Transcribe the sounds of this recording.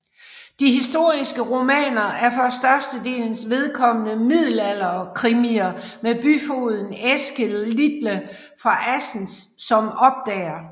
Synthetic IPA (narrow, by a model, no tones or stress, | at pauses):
d̥iɦisd̥o̝ɐ̰isɡ̥əʁo̝mɛ̰ːnɐæɐfɒ̽sd̥ɶɐsd̥əd̥e̝̰ːln̩sʋe̝ð̞ˠkʰɒ̽mənəmið̞̰ˠl̩æl̰ɐɒkʰʁimiɐmeb̥yfo̝ːð̞ˠn̩esɡ̥ellid̥lə | fʁɑ̈ʔæsn̩sːɒ̽mɒ̽b̥̚d̥ɛ̰ːɐ